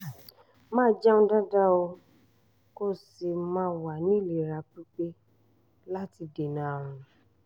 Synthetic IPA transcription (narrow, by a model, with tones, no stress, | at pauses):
mãː˦d͡ʒa˦ũ˧˦da˦da˦o˧ | ko˦si˧mãː˦wa˨nĩ˨˦˨le˨ɾa˧k͡pi˦k͡pe˦ | la˦ti˧de˨nã˨˦˨ɾ̃ũ˧